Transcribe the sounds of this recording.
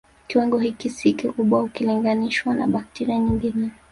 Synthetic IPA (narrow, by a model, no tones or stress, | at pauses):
kiwaŋɡɔhikisikikuɓwahukiliŋɡaniʃwana̰ɓak̚tɛɾiaɲiŋɡinɛ